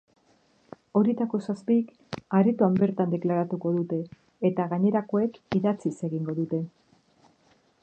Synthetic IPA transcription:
o̞ɾit̪ako̞saspik | aɾit̪uambe̞ɾt̪and̪e̞klaɾat̪uko̞ðut̪e̞ː | t̪aɣaɲe̞ɾako̞ekiðat͡sise̞ɣiŋɡo̞ðut̪e̞

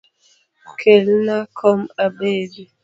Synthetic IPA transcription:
kʰelnakʰɔmabedi

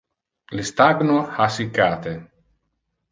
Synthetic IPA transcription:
list̪aɡnohasikːat̪e

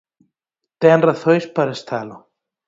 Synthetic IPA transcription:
t̪ɛnraθœjspaɾɛst̪ʰaːlo

